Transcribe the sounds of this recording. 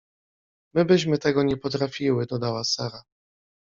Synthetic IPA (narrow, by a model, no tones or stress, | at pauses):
mɘbɘɕmɘt̪ɛɡɔɲɛpɔt̪ɾafʲiwɘd̪ɔd̪awasaɾa